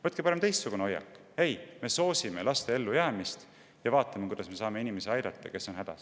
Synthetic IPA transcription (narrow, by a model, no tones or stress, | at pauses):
vɤt̪kepɑɾe̞mt̪e̞jst̪suɡ̥uneo̞jːɑ̰kːˑ | e̞jme̞so̞ːsime̞lɑst̪e̞e̞lːujæːmist̪ | jɑvɑːt̪ːˑɑmekujd̪̥ɑsme̞sɑːme̞inimesieɑjd̪ɑt̪ˑːɑke̞sːo̞nɦæd̪̥ɑ̰s